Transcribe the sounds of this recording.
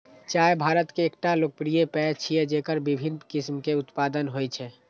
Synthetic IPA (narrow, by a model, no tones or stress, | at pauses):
t͡ʃaːebʱaːɾət̪keːk̚ʈaloːk̚pɾijepɛt͡ʃʰied͡ʒekəɾbibʱinkɪsmkeʊt̪paːd̪ənɦojt͡ʃʰɛ